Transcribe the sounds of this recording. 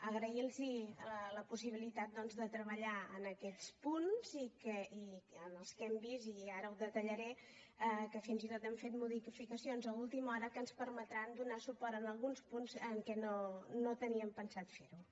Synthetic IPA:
əɣɾəilˠziləpusiβ̞ilit̪at̪̚d̪ɔnzðət̪ɾəβəʎaə̰nəkɛt͡spunz̥ikəiənəlˠskɛmbiziaɾəwðət̪əʎəɾɛ | əkəfinzit̪ot̪ɛmfet̪muðiffikəsionzəulˠt̪imɔɾəkənspəɾmət̪ɾand̪unasupɔɾt̪ənəlˠɣunspunzəŋkɛnonot̪əniəmpənsat̪feɾu

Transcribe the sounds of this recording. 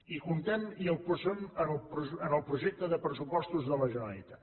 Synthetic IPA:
ikunt̪eɛniəlˠpuzəmənlˠpɾuənəlˠpɾuʒɛk̚t̪əðəpɾəsupɔst̪uzðələʒənaḭt̪a

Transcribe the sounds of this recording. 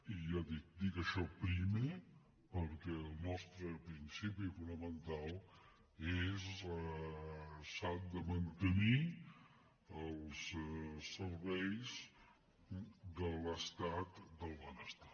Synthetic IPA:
ijad̪ik̚d̪ikəʃɔpɾimə | pəɾkɛəlˠnɔst̪ɾəpɾinsipifunəmənt̪alˠ | ez | sand̪əmənt̪əni | əlˠssəɾβɛjz | d̪ələst̪at̪d̪əlˠβanəst̪ḁ

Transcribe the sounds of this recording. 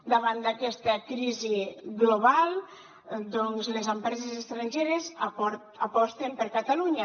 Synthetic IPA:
d̪aβ̞and̪akɛst̪əkɾiziɣloβalˠ | d̪ɔnzlezəmpɾɛzezzest̪ɾanʲʒeɾezapɔɾ | apɔst̪empəɾkat̪aluɲa

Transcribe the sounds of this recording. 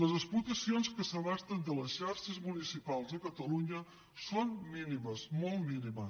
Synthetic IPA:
ləzəsplut̪əsionskəsəβast̪ənd̪ələsʃaɾʃəzmunisipalˠzəkət̪əluɲə | sonminiməsmɔlˠtminiməs

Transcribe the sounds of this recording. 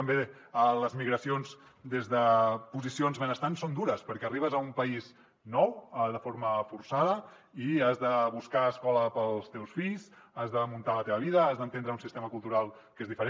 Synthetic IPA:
əmbe | ələzmiɣɾəsions | d̪ezðəpuzisionzβənəst̪ansond̪uɾəspəɾkɛəriβ̞əzəumpəiz | nɔwəðəfoɾməfuɾsaðə | iazðəβuskaəskɔləpəlˠst̪ewsfiʎzazðəmunt̪alət̪eβəβiðəazðənt̪end̪ɾəunsist̪eməkulˠt̪uɾalˠ | kezðifəɾe

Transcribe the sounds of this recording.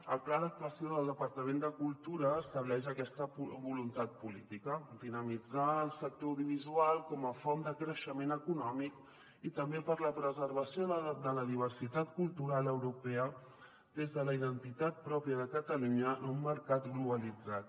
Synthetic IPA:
əlˠklaðək̚t̪uəsioðəlˠd̪əpəɾt̪əmẽnd̪əkulˠt̪uɾəːst̪əβlɛʃəkɛst̪əβulunt̪at̪̚pulit̪ikəd̪inəmid͡zaəlˠsək̚t̪ouðuβ̞izualˠkɔməfɔnd̪əkɾəʃəmenəkunɔmik | it̪əmbepəɾləpɾəzəɾβəsiod̪ələðiβ̞ərsit̪at̪kulˠt̪uɾaləwɾupɛə | d̪ezðələiðənt̪it̪at̪̚pɾɔpjəðəkət̪əluɲənumːəɾkat̪ɡluβəlid͡zat̪̚

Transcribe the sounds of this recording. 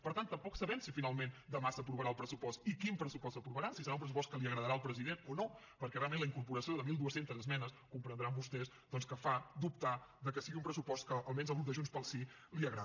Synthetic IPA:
pəɾt̪ant̪ːəmpɔksəβɛmsifinalˠmend̪əmasəpɾuβəɾaəlˠpɾəsupɔst̪ikimpɾəsupɔst̪səpɾuβəɾasisəɾaumpɾəs̬upɔst̪kəliəɣɾəðəɾaəlˠpɾəziðenono | pəɾkɛreamẽnləiŋkuɾpuɾəsioðəmilˠuəsent̪əzəzmɛnəskumpɾənd̪ɾambust̪ɛz | d̪ɔnskəfad̪up̚t̪aðəkəsiɣiumpɾəsupɔst̪̚kəʔːlˠmɛnzlˠɣɾup̪̚d̪əʒunspəlˠsiliəɣɾa

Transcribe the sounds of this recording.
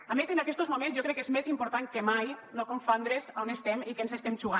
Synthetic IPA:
amezenakɛst̪ozmumẽnzjokɾɛkːezmezimpuɾt̪aŋkemajnokoɱfond̪ɾezonest̪ɛmikensest̪ɛmʒuɣa

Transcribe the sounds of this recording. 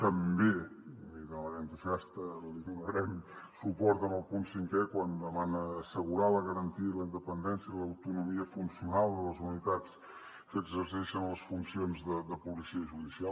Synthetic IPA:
t̪əmbeliðəmənənt̪uziast̪əliðunəɾɛmsupɔɾt̪əməlˠpunsiŋkɛkwand̪əmanəːsəɣuɾaləɣəɾənt̪iələind̪əpənd̪ɛnsiəiləwt̪unumiəfunsiunalˠd̪ələzunit̪at͡s | kəːɡzəɾsɛʃənləsfunsionzðəd̪əpulisiəʒuðisial

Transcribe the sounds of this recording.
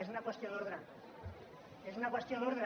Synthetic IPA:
esunakwe̞st̪jonoɾɣɾa | esunakwe̞st̪jonuɾðɾ

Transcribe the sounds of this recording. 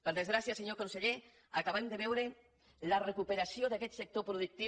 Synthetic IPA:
pəɾðezɣɾasiaseɲokonseʎe | akaβand̪eβɛwɾe | larekupeɾasioðakɛt̪sek̚t̪opɾuðuk̚t̪i

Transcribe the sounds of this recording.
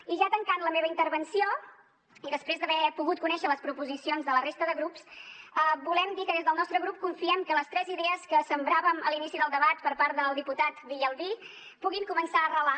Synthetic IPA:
iʒat̪əŋkanləmeβəint̪əɾβənsio | iðəspɾezd̪əβɛpuɣut̪̚kunɛʃələspɾupuzisionzðələrest̪əðəɣɾupsəbulɛmd̪ikəðezðəlˠnɔst̪ɾəɣɾup̚kuɱfiɛmkələst̪ɾɛziðɛəskəsəmbɾaβəməlinisiðəlˠd̪əβat̪pəɾpaɾt̪̚ðəlˠd̪iput̪at̪biʎəlˠβi | puɣiŋkumənsaərəla

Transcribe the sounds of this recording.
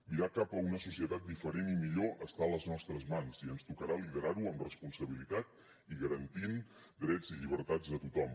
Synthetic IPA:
miɾakapəunəsusiət̪at̪̚d̪ifəɾenimiʎoʔəst̪aələznɔst̪ɾəzmanziənst̪ukəɾaliðəɾaɾuəmrəspunsəβ̞ilit̪at̪̚ | iɣəɾənt̪in | d̪ɾɛd͡ziʎiβ̞əɾt̪ad͡zðət̪ut̪ɔm

